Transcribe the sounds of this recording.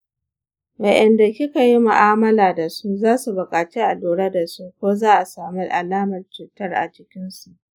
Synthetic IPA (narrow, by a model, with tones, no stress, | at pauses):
bɐ˨ʔɛ˨nda˨kʲɪ˦ka˨ji˦mʊ˨ʔaː˦mɐ˦laː˨da˨su˦zaː˦su˨bʊ˨kʼaː˨t͡ʃe˦ʔa˨luː˨ɽa˦da˨su˦kʷoː˦zaː˦ʔa˨saː˨mi˦ʔa˨laː˦mɐ˨rt͡ʃuː˨tɐ˦rʔa̰˨t͡ʃɪ˦kʲɪ˦nsu˨ʔ